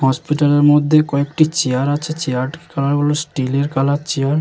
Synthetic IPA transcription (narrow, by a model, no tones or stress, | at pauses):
hɔspiʈaleɾmod̪ʱːekɔekʈit͡ɕeaɾat͡ɕʰet͡ɕeaɾʈkalaɾɡolosʈileɾkalat͡ɕeaɾ